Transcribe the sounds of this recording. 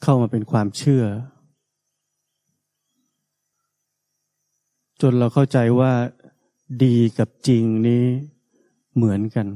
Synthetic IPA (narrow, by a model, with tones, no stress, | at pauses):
kʰa˥˩wmaː˧pe˧nkʰwaː˧mt͡ɕʰɯ˥˩ɐ | t͡ɕo˧nɾa˧wkʰa˥˩wt͡ɕa˧jwaː˥˩ | diː˧ka˨˩p̚t͡ɕi˧ŋniː˦˥ | mɯ˩˦ənka˧n